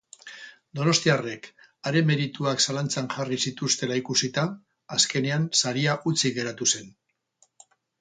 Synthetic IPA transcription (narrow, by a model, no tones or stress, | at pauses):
d̪o̞no̞st̪iare̞k | aɾe̞me̞ɾit̪uaksalant͡saŋʝarisit̪ust̪e̞laikusit̪aː | ske̞ne̞ansaɾiaʔut͡siɣe̞ɾat̪use̞n